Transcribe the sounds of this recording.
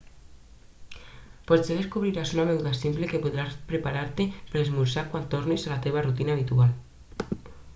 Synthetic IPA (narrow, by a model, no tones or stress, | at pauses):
pɔzeðeskuβɾiɾasunaβɛwðasimplekepuðɾaspɾepaɾaɾt̪epeɾezmuɾsakwant̪oɾnizalat̪eβ̞arut̪inaːβ̞it̪ual